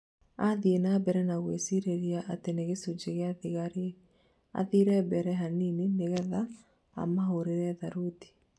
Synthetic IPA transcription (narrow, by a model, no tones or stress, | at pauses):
aðienaːbɛɾɛnaɣwesiɾeɾiaʔateneɣesud͡ʒeɣeaðiɣaɾe | a̰ðiɾɛbɛɾɛɦaninineɣɛða | a̰maɦoɾeɾɛðaɾuti̥